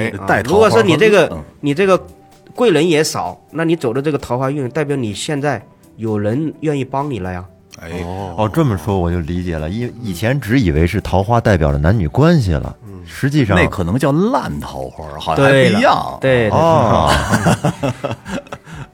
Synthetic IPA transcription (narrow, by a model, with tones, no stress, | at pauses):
a˥˩ɪt̪ɻʰu˧˥kwɔ˨˩ʂwɔ˥ni˨˧ʈ͡ʂɤ˥˧˩ɡə˩ni˨˩ʈ͡ʂɤ˥˩ɡə˩ | kwe˥˩ɪɻə˧˥njɛ˧˥sɑ˨˩˦ʊna˥˩ni˧˥t͡so˨˩ʊdə˦ʈ͡ʂɤ˥˩ɡə˩t̪ʰɑ˧˥xwa˥y˥˧n˥˧t̪a˥˩ɪpjɑ˧˥ʊni˨˩ɕjɛ˥˧nt͡sa˥˩ɪ | jo˨˩ʊɻə˧˥nɥɛ˥˧ni˥˩pɑ˥ŋni˨˩lə˦ja˨˩ | ɔ˥˧˩ʈ͡ʂə˥˩nmə˩ʂwɔ˥wɔ˨˩t͡ɕjo˥˩ʊli˧˥t͡ɕjɛ̰˨˩lə̰˦i˥n˥i˨˩t͡ɕʰjɛ˧˥nʈ͡ʂɻ̩˧˥i˨˩we˧˥ɪʂɻ̩˥˩t̪ʰɑ˧˥ʊxwa˥t̪a˥˩ɪpjɑ˨˩ʊd̪ə̰˦na˧˥nny˨˩kwa˥nɕḭ˨lə̰˩ | ʂɻ̩˧˥t͡ɕi˥˧ʂɑ˥ne˥˩ɪkʰɤ˨˩nɤ˧˥ŋt͡ɕjɑ˥˧ʊla˥˩nt̪ʰɑ˧˥ʊxwa̰˥˨t̪we˧˥˩ɪ˥jɑ̰˥˧ŋt̪we˥˧˩ɪ˥˩˥